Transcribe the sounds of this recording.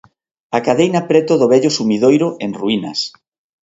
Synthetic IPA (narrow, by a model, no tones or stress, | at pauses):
akaðejnɐpɾɛt̪ʊðʊβɛʎosumiðojɾʊʔeŋruinɐ̰s